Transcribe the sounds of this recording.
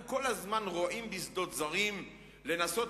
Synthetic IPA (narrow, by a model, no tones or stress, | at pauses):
ko̞lazmanʁoʔimbisd̪o̞t̪zaʁim | le̞naso̞t